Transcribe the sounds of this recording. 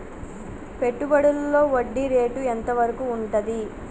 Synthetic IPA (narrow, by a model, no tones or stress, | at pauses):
pe̞ʈːubɐɽullo̞ːʋoɖːiɾe̞ːʈuent̪ɐʋɐɾɐkuːɳʈɐd̪i